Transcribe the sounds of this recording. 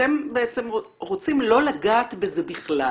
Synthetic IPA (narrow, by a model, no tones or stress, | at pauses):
tembeet͡se̞mo | ʁot͡simlo̞laɡaːt̪bezebiχla